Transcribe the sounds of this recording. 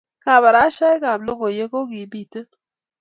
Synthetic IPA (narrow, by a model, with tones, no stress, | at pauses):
ka˨βa˨ɾa˦ʃa˦jka˨blo˦ɡo˨je˦ko˦ɡi˨bi˦˨tə˦